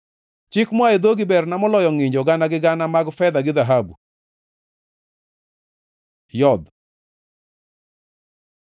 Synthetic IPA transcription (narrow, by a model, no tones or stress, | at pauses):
t͡ʃɪkmwaed̪oɡibɛrnamɔlɔjɔŋɪɲd͡ʒɔɡanaɡɪɡanamaɡfɛd̪aɡɪðaɦabṵ | jɔd̪